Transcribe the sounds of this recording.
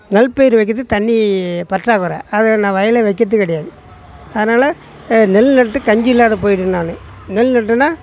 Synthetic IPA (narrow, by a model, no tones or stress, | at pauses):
nɐlpeːjɪɾɯʋɐɪkːɯt̪ːɯt̪ɐɳːipɐʈraːkɯɾã̰ːɐðɯnãːʋɐjɐlɛʋɐɪkːɐt̪ːɯkːɐɽɐɛjaːðɯ | ɐðɐnaːlɐ | nɛlnɐʈːɯkɐɲd͡ʒɪlːaːðɐp̬oːjɪʈːɯnːaːnɯ̃ | nɛlnɐʈːɯnːaː